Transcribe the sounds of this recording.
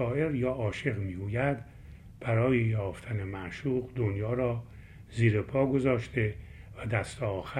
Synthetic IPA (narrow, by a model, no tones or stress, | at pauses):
ɒːe̞ɾjɒːʔɒːʃe̞ʁmiːɡuːjæd̪ | b̥æɾɒːjejɒːft̪ʰæne̞mæʔʃuːʁd̪onjɒːɾɒː | ziːɾepʰɒːɡo̞zɒːʃt̪evæd̪æst̪eɒːxæ